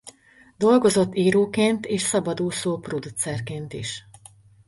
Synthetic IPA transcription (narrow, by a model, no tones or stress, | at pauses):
d̪o̞lɡo̞zo̞t̪ːiːɾoːkeːnt̪eːʃsɒbɒd̪oːsoːprod̪ut̪sɛrkeːnt̪ḭʃ